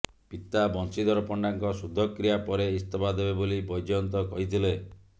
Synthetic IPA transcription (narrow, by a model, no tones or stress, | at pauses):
pit̪abɔnsid̪ʱɔɾɔpɔɳɖaŋkɔsud̪ʱːɔkɾijapɔɾeist̪ɔpad̪ebebolibɔjd͡ʒɔnt̪ɔkɔɦit̪ʰile